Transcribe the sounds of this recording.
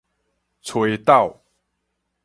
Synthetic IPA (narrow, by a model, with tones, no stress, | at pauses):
t͡sʰwe˨˦jt̪a˥˨ʊ